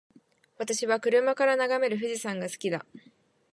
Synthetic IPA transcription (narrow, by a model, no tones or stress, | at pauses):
βat̪aɕiβakɯ̟ɾɯ̟makaɾanaɡame̞ɾɯ̟ɸɯ̟ʑisãŋɡasɨ̥kʲid̪a